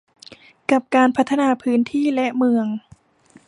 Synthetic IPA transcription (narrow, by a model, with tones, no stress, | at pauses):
ka˨˩p̚kaː˧npʰa˦˥t̪ʰːa˧naː˧pʰɯː˦˥nt̪ʰiː˥˩lɛ˦˥ʔmɯ˧əŋ